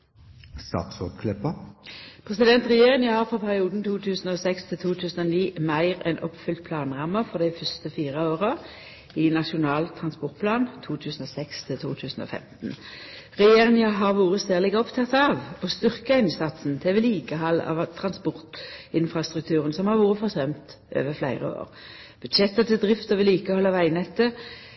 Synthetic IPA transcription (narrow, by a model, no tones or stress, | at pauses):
st̪ɑ̰t̪sɔt̪kʰlɛpəpʰʁɛsɪd̪ɛnt̪ʁɛjeːʁɪŋəhɑʁfɔpʰæʁɪuːd̪n̩t̪ʰuːt̪ʰʉːsn̩oːsɛkst̪ʰɪlt̪ʰuːt̪ʰʉːsn̩oːniːmæɪʁɛ̰nʔɔpfʏlt̪̚pʰlɑːnʁɑmːəfɔʁd̪æɪfœst̪əfiːʁəoːʁə | iːnɑʃʊnɑːlt̪ʰʁɑnspɔʁt̪̚pʰlɑːnt̪ʰuːt̪ʰʉːsn̩oːsɛkst̪ʰɪlt̪ʰṵːt̪ʰʉːsn̩o̰ːfɛ̰mt̪n̩ | ʁɛjeːʁɪŋɪəɦɑʁʋuːʁəsæːʁlɪɡɔpt̪ʰɑt̪ɑʋɔst̪ʏʁkəæɪnsɑt̪sn̩t̪ʰeːʋɛliːkəɦɑlːɑ̰ʋt̪ʰʁɑnspɔʁt̪ɪnfʁɑst̪ʁʉk̚t̪ʰʉːʁənsɔmhɑʁʋuːʁəfɔʁsœmt̪ | ʔø̰ːʋəflæ̰ɪʁə̰o̰ːʁ | b̥ʉd̪ʃɛt̪ːət̪ʰɪld̪ʁɪft̪əʋɪliːkəɔhɔlːɑʋæɪnɛt̪ːə